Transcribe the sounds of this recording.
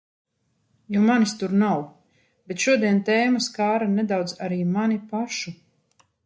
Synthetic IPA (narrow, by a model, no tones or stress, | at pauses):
jɔmanist̪uɾnaw | b̥et̪ʃuɔd̪iɛnt̪ɛːmaskaːɾanɛd̪awd̪zaɾiːmanipaʃu